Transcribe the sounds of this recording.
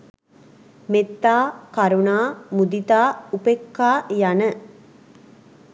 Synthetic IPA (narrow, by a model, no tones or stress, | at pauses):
met̪ːaːkaɾunaːmud̪it̪aːupekːaːjanə